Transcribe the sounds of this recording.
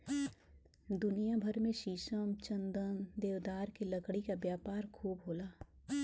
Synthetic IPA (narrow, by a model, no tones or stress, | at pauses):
d̪ʊnijabʱəɾmẽʃiːʃəmt͡ʃə̃nd̪ənd̪eːʋd̪aːɾkilɐkɽikabjaːpaːɾkʰuːbɦoːlaː